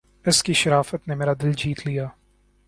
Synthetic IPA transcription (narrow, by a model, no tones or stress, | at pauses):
ɪskiʃɐɾaːfət̪nemeːɾad̪ɪld͡ʒiːt̪lijaː